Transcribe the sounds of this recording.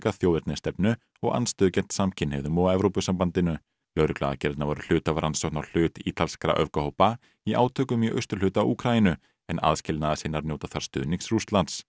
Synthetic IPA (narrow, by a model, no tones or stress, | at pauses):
kaθjowðɪɾt̪nɪst̪ɛpnʏ | ɔɣa̰nst̪œːðʏcɛn̥t̪samcʰɪnhɛvðʏmɔːaɛvɾowpʏsampant̪ɪnʏ | lœːɾʏkla̰ða̰cɛɾt̪navɔɾʏl̥ʏːt̪avɾansɔknawl̥ʏːt̪iːt̪alskɾa̰ʔœ̰vkahowpa | iʔa̰ːwt̪ʰœːkʏmjœʔœ̰st̪ʏɾ̥lʏːt̪awuːkʰɾainʏ | ɛna̰ðscɪlnaðasɪːnːaɾnjoːwt̪aθaɾ̥st̪ʏ̰ːðniŋksrust̪lant̪s